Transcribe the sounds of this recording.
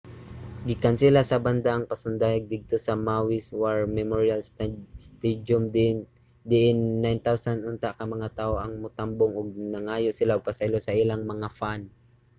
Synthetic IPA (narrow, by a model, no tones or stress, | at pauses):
ɡɪkansɪlasɐband̪aʔɐŋpɐsʊnd̪ajɐɡ̚d̪ɪɡ̚t̪o̞sɐmawɪswaɹmɛmoɹialsst̪ɛd̪ʊmd̪ | d̪ɪʔɪnːajnt̪awsanʔʊnt̪aʔkɐmɐŋat̪aːʔoʔɐŋmʊt̪amboŋʊɡ̚nɐŋaːjoʔsɪlaʊɡ̚pɐsajlosɐʔɪlaŋmɐŋafan